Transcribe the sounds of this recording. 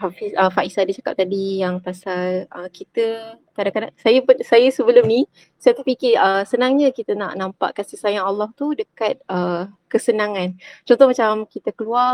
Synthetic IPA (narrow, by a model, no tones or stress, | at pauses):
hafisəfaʔisadit͡ʃaka̰p̚t̪adijaŋpasalʔəkit̪əkadaŋkadaŋsajəpʊnsajəsəbəlʊmni | sajat̪ifikiʔəsənãŋɲəkit̪əna̰ʔnampa̰ʔkansəsajaŋalːaht̪udəkat̪̚ʔəkəsənãŋant͡ʃont̪ɔhmat͡ʃamkit̪əkəluar